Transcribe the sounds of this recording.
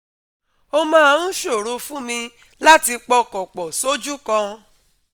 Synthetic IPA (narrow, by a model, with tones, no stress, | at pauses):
o˧mãː˦˧ũ˦ʃo˦˨ɾo˧fũ˦mĩ˧ | la˦ti˧k͡pɔ˧kɔ˨k͡pɔ˨so˦d͡ʒu˦kã˧